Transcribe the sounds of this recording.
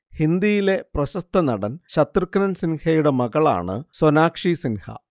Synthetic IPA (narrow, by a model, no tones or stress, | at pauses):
hind̪ijile̞prɐɕɐst̪ʰɐnɐɽɐnɕɐt̪rɨkːɐnɐnsinhɐjuɽe̞mɐɣɐɭa̰ːɳɨ̰sonaːkʂisinhɐ̰